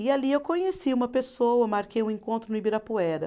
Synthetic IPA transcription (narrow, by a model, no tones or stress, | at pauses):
ɪaliewkõɲesiũmɐpesowɐmaɾkejũẽkõnt̪ɾʊnʊibiɾapuɛɾɐ̰